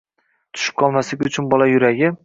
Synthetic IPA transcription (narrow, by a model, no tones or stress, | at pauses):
t̪ʰʊ̥ʃɪ̥p̚kʰɒlˠmaslɪkʲʊt͡ʃʰʊnbɒlajʊɾaɡʲɪ